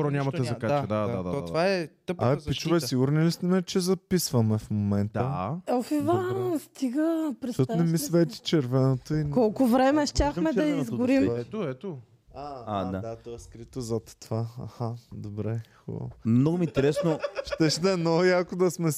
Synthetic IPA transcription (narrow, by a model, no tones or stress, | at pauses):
ɾɔnʲamɐɛzɐkaad̪aad̪avaɛt̪əp̚apit͡ʃvɛsiɡʊɾnilist̪ɛnɛt͡ʃɛzɐpisvɐmɛfmomɛnt̪əofivast̪iɡəpɾɛsɔt̪nɛmisvɛt̪ʲi̥t͡ʃɛɾvɛnot̪oikɔlˠkʊvɾɛmɛʃt̪ʲaxmɛd̪ɐizɡʊɾimɛoɛt̪o | aad̪ad̪at̪ɔɛskɾit̪ozɐt̪ːovaa̰xad̪obɾɛxɔ̰mnɔɡʊmint̪ɛɾɛsnoʃt̪ɛʃnɛnoijakʊd̪ɐsmɛ